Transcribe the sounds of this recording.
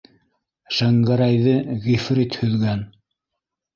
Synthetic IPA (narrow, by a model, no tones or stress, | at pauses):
ʃæŋɡæɾæjðɘɣifrit̪hɵ̆ðɡæn